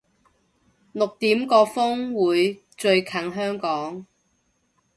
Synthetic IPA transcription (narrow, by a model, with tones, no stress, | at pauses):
lʊ˨k̚t̪iː˨˥mkɔː˧fʊ˥ŋwuː˨˧j | t͡ʃɵ˧ɥkʰɐ˨˥ŋɦœː˥ŋkɔː˨˥ŋ